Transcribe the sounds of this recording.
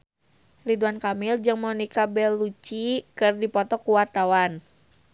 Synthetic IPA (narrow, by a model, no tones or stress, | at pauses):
liduankamɪld͡ʒɨŋmɔnikabɛlːut͡ʃikɨrdipɔt̪ɔkuwart̪awan